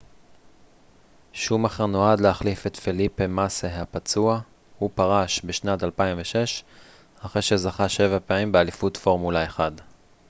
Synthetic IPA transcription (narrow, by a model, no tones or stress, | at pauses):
ʃumaχeʁno̞adleaχlifetfilipemasehapat͡sua | hupaʁaʃbeʃnatalpaimveʃe̞ʃ | aχʁejʃezaχaʃe̞vapeamimbealifutfo̞ʁmulaeχad